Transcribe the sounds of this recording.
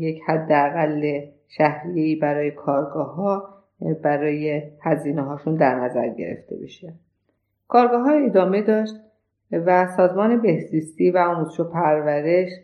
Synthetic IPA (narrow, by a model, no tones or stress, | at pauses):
je̞chæd̪ːeæɣælːe | ʃæhɾije̞iːbæɾɒːje̞kʰɒːɾɡɒːɦɒ | bæɾɒːjehæziːneɦɒːʃund̪æɾnæzæ̰ɾɟḛɾḛft̪ʰḛbḛʃe | kʰɒːɾɡɒːɦɒːed̪ɒːme̞d̪ɒːʃt̪̚ | væsɒːzmɒːne̞be̞hziːst̪iːvæɒːmut̪ʃopʰæɾvæɾe̞ʃ